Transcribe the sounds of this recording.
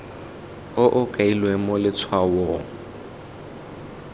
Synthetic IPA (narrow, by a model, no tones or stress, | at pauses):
ʊʔʊkʼailwemʊlɪt͡sʰwawɔ